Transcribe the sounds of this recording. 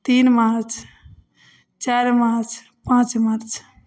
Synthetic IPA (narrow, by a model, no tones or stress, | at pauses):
t̪iːnmaɾt͡ʃʰ | t͡ʃaɾmaɾt͡ʃʰ | pãːt͡ʃmaɾt͡ʃ